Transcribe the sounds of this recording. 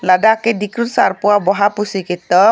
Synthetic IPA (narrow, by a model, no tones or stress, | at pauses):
ladakedikɾut̪sa̰rpuabɔɦapusikit̪ɔ